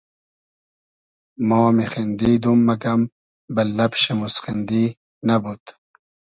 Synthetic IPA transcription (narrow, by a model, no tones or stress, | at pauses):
moːmixind̪iːd̪umːɐɡɐm | bɐlːɐpɕemusχind̪iː | nɐbut̪